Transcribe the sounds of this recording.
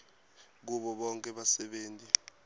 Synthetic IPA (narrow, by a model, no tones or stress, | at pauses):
k̬uɓɔɓɔŋkʼɛɓasɛɓeːntʼi